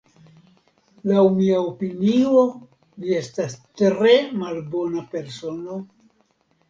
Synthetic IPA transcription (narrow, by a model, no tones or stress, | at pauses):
lawmiaopinio̞ | vie̞stastɾe̞malbo̞nape̞ɾso̞no̞